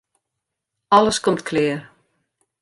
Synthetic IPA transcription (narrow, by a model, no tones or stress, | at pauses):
ɑləskɔmtkʰlɪːər